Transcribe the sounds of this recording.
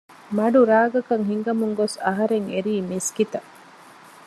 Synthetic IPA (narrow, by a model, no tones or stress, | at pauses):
mɐɖuɾaːɡɐkɐŋɦiŋɡɐmuŋɡosɐɦɐɾeŋeɾiːmiskit̪ɐ